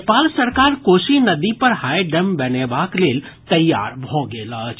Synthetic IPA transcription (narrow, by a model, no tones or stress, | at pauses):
paːlsɐɾkaːɾkoːʃinɐd̪ipɐɾɦaːeɖɛmbɛneːbaːkleːl | t̪ɐjːa̰ːɾbʱoːɡeːlaːt͡ʃ